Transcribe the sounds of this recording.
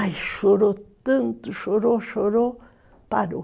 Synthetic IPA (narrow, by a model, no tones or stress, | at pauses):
ajʃoɾot̪ɨnt̪uʃoɾoʃoɾo | paɾo